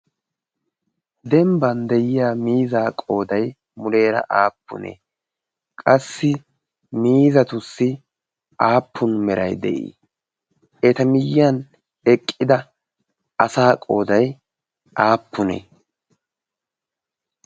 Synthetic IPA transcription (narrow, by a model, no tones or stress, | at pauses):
d̪ɛmbɐnd̪ɛjɪjaːmiːzaːkʼo̞ːd̪ɐj | mʊle̞ːɾɐ̰ʔaːpːʊ̰nḛː | kʼɐsːɪ | miːzɐt̪ʊsːɪ | aːpʰːʊnmɛɾɐjd̪ɛ̰ʔḭː | ɛt̪ɐmɪjɐn | ɛkʼːɪd̪ɐ | ɐsaːkʼo̞ːd̪ɐj | ʔaːpːʊnḛ